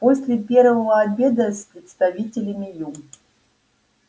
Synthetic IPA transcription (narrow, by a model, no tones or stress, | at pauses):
po̞sʲlʲɪpʲervəvəɐbʲed̪əspɾʲɪt̪st̪ɐvʲitʲɪlʲəmʲɪju